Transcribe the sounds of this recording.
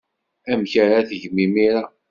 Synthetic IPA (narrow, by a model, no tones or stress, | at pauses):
æmçəɾaθəʝmimiɾa